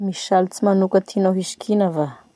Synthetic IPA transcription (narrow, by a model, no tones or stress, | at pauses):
miʃalit͡simanukət̪ʰinaɦiʃkʰinava